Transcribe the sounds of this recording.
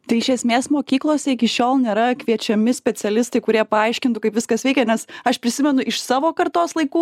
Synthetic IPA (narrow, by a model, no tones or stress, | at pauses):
t̪ɐɪɪʃʲɛsʲmʲeːsmoːkʲiːklˠoːsʲɛɪkʲɪʃʲoːlˠnʲeːɾɐkʋʲiɛt͡ʃʲɛmʲɪsʲpʲɛtsʲɛlʲɪst̪ɐɪkʊɾʲiɛpɐɐɪʃʲkʲɪnt̪ʊkɐɪpʋʲɪskɐsʋʲɛɪkʲɛnʲɛsɐʃpʲɾʲɪsʲɪmʲɛnʊʔɪʃsɑːʋoːkɐrt̪oːslˠɐɪkuː